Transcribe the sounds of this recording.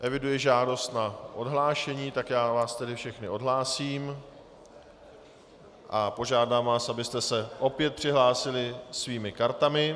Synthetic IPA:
ʔɛvɪdujɪʒaːdo̞st̪naʔo̞dɦlaːʃɛɲiːt̪akjaːvaːst̪ɛdɪfʃɛxnɪʔo̞dɦlaːsiːm | ʔapo̞ʒaːdaːmvaːsʔabɪst̪ɛsɛʔo̞pjɛt̪̚pr̝̥ɪɦlaːsɪlɪsviːmɪkaɾt̪amɪ

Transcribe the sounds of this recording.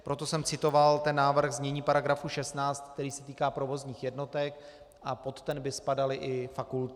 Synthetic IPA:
pɾo̞t̪o̞sɛmt͡sɪt̪o̞valt̪ɛnːaːvr̩ɣzɲɛɲiːpaɾaɡɾafuʃɛst̪naːt͡st̪̚k̚t̪ɛɾiːsɛt̪iːkaːpɾo̞vo̞zɲiːxjɛdno̞t̪ɛk | ʔapo̞t̪ːɛnbɪspadalɪʔɪfakult̪

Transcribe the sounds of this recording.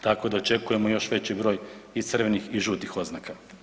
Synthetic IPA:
t̪ako̞d̪aot͡ʃe̞kuje̞mo̞jo̞ʃʋe̞t͡ɕibɾo̞ːjit̪sər̩ʋenixiʒuːt̪ixo̞d̪znaka

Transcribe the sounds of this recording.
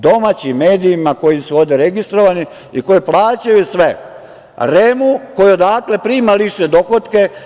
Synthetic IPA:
d̪o̞maːt͡ɕimːe̞ːd̪iːmako̞jisuo̞ʋd̪eɾe̞ɡist̪ɾoʋani | iko̞jiplˠaːt͡ɕajusʋe | ɾemuko̞juo̞d̪aːkle̞pɾiːmaliʃed̪o̞xot̪ke̞

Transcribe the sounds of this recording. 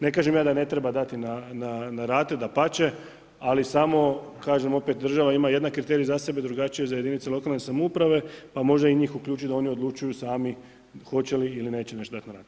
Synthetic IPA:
ne̞kaːʒemjaːd̪ane̞t̪ɾebad̪at̪inananaɾaːt̪ed̪apat͡ɕe̞ | alisamo̞kaːʒemo̞pe̞t̪̚d̪ɾr̩ʒaʋaimaje̞d̪nakɾit̪eɾijazase̞bed̪ɾuɡat͡ʃijezajed̪init̪selˠo̞kaːlne̞samoupɾaʋe̞pamo̞ʒd̪aiɲiːxuklʎuːt͡ʃid̪ao̞nio̞d̪lˠut͡ʃujusaːmi | xo̞t͡ɕe̞liiline̞ːt͡ɕeneʃt̪od̪at̪naɾaːt̪

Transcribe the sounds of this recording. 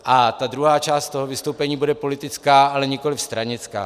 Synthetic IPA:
ʔat̪ad̪ɾuɦaːt͡ʃaːst̪t̪oɦovɪst̪owpɛɲiːbudɛpo̞lɪt̪ɪt͡skaːalɛɲɪkolɪfst̪ɾaɲɪt͡ska̰ː

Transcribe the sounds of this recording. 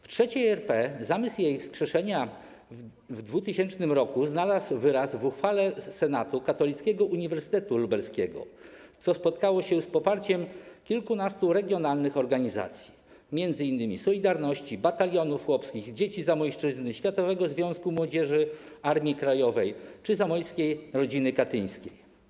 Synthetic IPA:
ftʂɛt͡ɕiɛɾpɛzamɘsjejfskʂɛʂɛɲa | vd̪vut̪ɘɕɛnt͡ʂnɘmɾɔkuznalaswvɘɾasvuxfalɛsɛnat̪ukat̪ɔlʲit̪skʲɛɡɔʔuɲivɛɾsɘ̥t̪ɛt̪ulubɛɾskʲɛɡɔ̰t̪sɔspɔt̪kawɔɕɛspɔpaɾt͡ɕɛmkʲilkunast̪uɾɛɡʲjɔnalnɘxɔɾɡaɲiza̰t̪sʲji | mʲjɛnd̪zɘinːɘmʲisɔlʲid̪aɾnɔɕt͡ɕibat̪alʲjɔnufxwɔpskʲiɣd͡ʑet͡ɕizamɔjʂt͡ʂɘznɘɕfʲjat̪ɔvɛɡɔzvʲjɔ̃w̃skumwɔd͡ʑɛʐɘaɾmʲjikɾajɔvɛjt͡ʂɘzamɔjskʲejɾɔd͡ʑinɘkat̪ɘj̃skʲej

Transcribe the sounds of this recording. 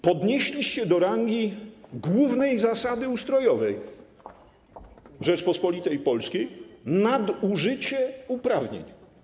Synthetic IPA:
pɔd̪ɲeɕlʲiɕt͡ɕɛd̪ɔɾaŋɡʲiɡwuvnɛjzasad̪ɘust̪ɾɔjɔvɛj | ʐɛt͡ʂpɔspɔlʲit̪ɛjpɔlskʲejnad̪uʐɘt͡ɕɛupɾavɲḛɲ

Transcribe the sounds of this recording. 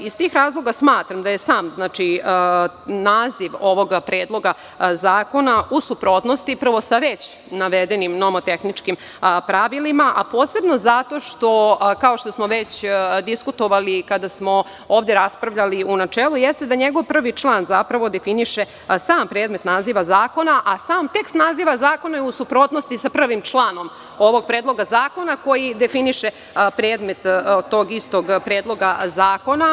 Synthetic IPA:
ist̪iːxɾaːzlˠo̞ɡasmaːt̪ɾamd̪aje̞saːmznaːt͡ʃi | naːziʋo̞ʋo̞ɡpɾeːd̪lˠo̞ɡa | zaːko̞nausupɾo̞t̪nost̪ipr̩ʋo̞saʋet͡ɕ | naʋed̪enimnomot̪e̞xnit͡ʃkim | pɾaʋilimaʔapoːse̞bno̞zat̪o̞ʃt̪o̞kao̞ʃt̪o̞smo̞ʋet͡ɕd̪iskut̪o̞ʋalikad̪asmo̞ | oːʋd̪je̞ɾaspɾaʋʎaliunat͡ʃeːlˠujest̪e̞d̪aɲeɡo̞ʋpr̩ʋit͡ʃlˠaːnzapɾaʋo̞d̪e̞finiʃe̞ | saːmpɾeːd̪me̞t̪naziːʋazaːko̞naʔasaːmt̪e̞kst̪naziːʋazaːko̞nausupɾo̞t̪nost̪isapr̩ʋimt͡ʃlˠaːno̞m | o̞ʋo̞ɡ̚pɾeːd̪lˠo̞ɡazaːko̞nako̞jid̪e̞finiʃe | pɾe̞ːd̪me̞t̪t̪ːo̞ːɡist̪o̞ɡpɾe̞ːd̪lˠo̞ɡazaːko̞na

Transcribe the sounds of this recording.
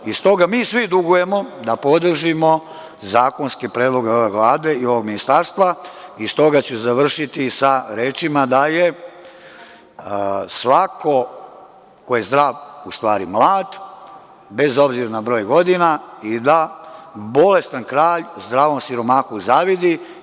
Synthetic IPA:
ist̪o̞ɡamiːsʋid̪uɡuje̞mo̞d̪apo̞d̪r̩ʒimo | zaːko̞nskepɾe̞ːd̪lˠo̞ɡeo̞ʋeʋlˠaːd̪e̞io̞ʋo̞ɡminist̪aɾst̪ʋaist̪o̞ɡat͡ɕezaʋr̩ʃit̪isaɾeːt͡ʃimad̪aje | sʋakʰo̞ | ko̞jezd̪ɾaːʋust̪ʋaːɾimlˠaːd̪ | be̞zo̞bziɾanabɾo̞ːjɡo̞d̪inaid̪a | bo̞le̞st̪ankɾaːʎzd̪ɾaːʋo̞msiɾo̞maːxuzaːʋid̪i

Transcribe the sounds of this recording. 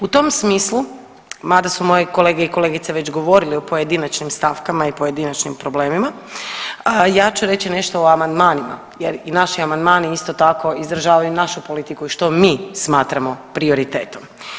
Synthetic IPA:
ut̪o̞msmiːslu | mad̪asumo̞jeko̞le̞ːɡeiko̞le̞ɡit̪seʋe̞t͡ɕɡo̞ʋo̞ɾiliopo̞je̞d̪inat͡ʃnimst̪afkamaipo̞je̞d̪inat͡ʃnimpɾo̞ble̞ːmima | jaːt͡ʃuɾe̞t͡ɕine̞ʃt̪ooamand̪maːnima̰ | jeɾinaʃiamand̪maːniist̪o̞t̪ako̞izɾaʒaːʋajunaʃupolit̪ikuiʃt̪o̞mismaːt̪ɾamo̞pɾio̞ɾit̪eːt̪om

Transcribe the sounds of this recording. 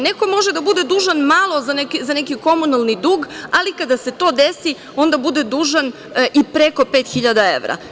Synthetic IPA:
neko̞mo̞ʒed̪abud̪ed̪uːʒanmalˠo̞zanekizanekiko̞munalˠnid̪uːɡalikad̪aset̪o̞ːd̪esi | o̞nd̪abud̪ed̪uːʒan | ʔipɾeko̞peːt̪xiʎad̪aḛʋɾa̰

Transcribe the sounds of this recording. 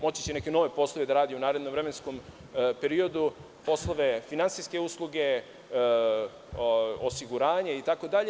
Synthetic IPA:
mo̞t͡ɕi̥t͡ɕeneke̞no̞ʋe̞po̞slˠoʋe̞d̪aɾaːd̪iunaːɾed̪nomʋɾeme̞nskom | pe̞ɾio̞d̪u | po̞slˠo̞ʋe̞finansijske̞uslˠuɡe̞ | osiɡuɾaːɲeit̪ako̞d̪aʎe

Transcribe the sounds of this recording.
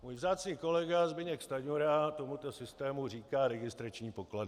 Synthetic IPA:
muːjvzaːt͡sɲiːko̞lɛɡazbɪɲɛkst̪aɲuɾat̪o̞mut̪o̞sɪst̪ɛːmuriːkaːɾɛɡɪst̪ɾat͡ʃɲiːpo̞kladɪ

